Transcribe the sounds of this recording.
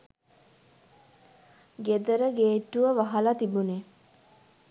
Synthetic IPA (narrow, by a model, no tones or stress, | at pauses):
ɡed̪əɾəɡeːʈːuʋəʋaɦɐlat̪ibune